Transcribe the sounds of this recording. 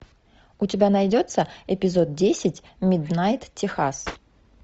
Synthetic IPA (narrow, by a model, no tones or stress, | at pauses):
ʊtʲɪbʲanɐjdʲo̞t̪səɛpʲɪzo̞t̪̚dʲesʲɪtʲ | mʲɪd̪najt̪tʲɪxas